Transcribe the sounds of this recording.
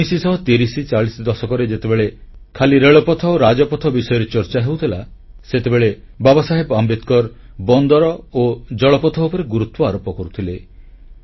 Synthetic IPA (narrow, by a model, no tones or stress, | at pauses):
isisɔɦɔt̪iɾisit͡ʃaɭisid̪ɔsɔkɔɾed͡ʒet̪ebeɭekʰaliɾeɭɔpɔt̪ʰɔoɾad͡ʒɔpɔt̪ʰɔbisɔjɔɾet͡ʃɔɾt͡ʃaɦewt̪ʰilaset̪ebeɭe | babɔsaɦebambet̪kɔɾ | bɔnd̪ɔɾɔod͡ʒɔɭɔpɔt̪ʰɔupɔɾeɡuɾut̪wɔaɾɔpɔkɔɾut̪ʰile